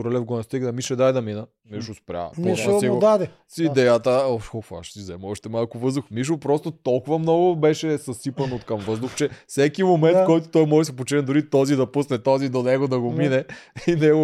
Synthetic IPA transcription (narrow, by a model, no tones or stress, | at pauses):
oɾɐlɛfɡonɐst̪iɡnɐmiʃɛd̪ajd̪ɐminə | miʃʊspɾʲa̰noɛsiɡod̪ad̪ɛ | sid̪ɛjət̪əɔʃxɔfa̰ʃsizɛmɔʃt̪ɛmalˠkʊvɤzd̪ʊxmiʃ̬opɾɔst̪ot̪ɔlˠkʊvɐmnɔɡʊbɛʃɛsɐsipɐnot̪kɐmvɤzd̪ʊxt͡ʃɛfsɛkimomɛnt̪kɔjt̪o̥t̪ɔjmɔʒɛsɛp̬ot͡ʃɛnɛd̪ʊɾit̪ɔzid̪ɐpusnɛt̪ɔzid̪onɛɡod̪ɐɡominɛinɛɡo